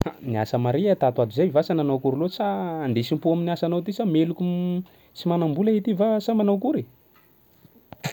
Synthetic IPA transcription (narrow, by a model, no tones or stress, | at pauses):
ania̰səmaɾiat̪at̪uad̪uzajvasananawkuɾilot͡saːnd̪esimpuaminiasanawt̪isamelukʲu | t͡simanambulaet̪ivasamanawkuɾe